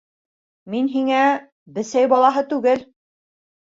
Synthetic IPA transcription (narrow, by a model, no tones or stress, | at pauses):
minɦiŋæ | bɘ̆sæjbɑlˠɑɦɤt̪ʉɡɘl